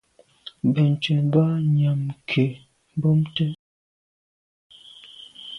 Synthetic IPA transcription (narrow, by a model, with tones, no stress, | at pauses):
bə˨n˨t͡ʃə˨ba˦ɲa˨mkʰe˨ | m˦bo˦mtə˦